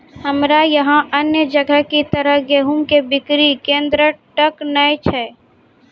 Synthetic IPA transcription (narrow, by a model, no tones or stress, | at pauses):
həmɾajɐɦãʔənjəd͡ʒəɡəɦkit̪əɾəɦɡeːɦumkebɪkɾikẽːnd̪ɾəʈəknəet͡ʃʰɛː